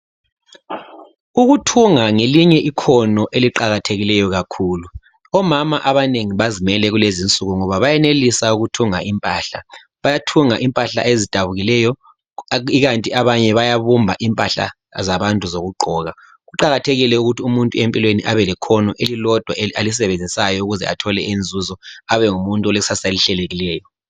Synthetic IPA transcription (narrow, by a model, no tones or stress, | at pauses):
uɣutʰuŋaŋeliɲɛʔikʰɔnɔʔeliǃaɣatʰeɣilɛjɔɣakʰuːlu | ɔmamaʔaβaneŋiβazimɛlɛɣulezint͡sʼuɣuŋɔβaβajɛnelisauɣutʰuŋa̰impʼaːɬa | βajatʰuŋaʔimpʼaɬa̰ʔezid̥ʱaβuɣilɛːjɔ | iɣantʼiaβaɲɛβajaβumbʱaʔimpʼaɬa̰ | zaβantʼuzoɣuɡ͡ǃʱɔɣa | ɣuǃaɣatʰeɣilɛuɣutiumuntʼuempʼilweniʔaβɛlɛkʰɔnɔʔelilɔd̥ʱwaalis̬ɛβend͡zʱisajɔuɣuzɛ̰a̰tʰɔlɛend͡zʱuzɔaβɛŋumuntʼɔleusasaliɬɛleɣilɛːjɔ